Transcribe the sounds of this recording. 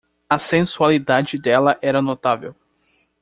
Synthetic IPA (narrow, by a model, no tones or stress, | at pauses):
ɐsẽsualid̪ad͡ʒɪd̪ɛlɐʔɛɾɐnot̪avḛw